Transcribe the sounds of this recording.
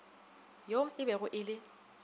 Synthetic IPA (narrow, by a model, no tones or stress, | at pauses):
jom̩ɪbɛɣʊʔɪlɪ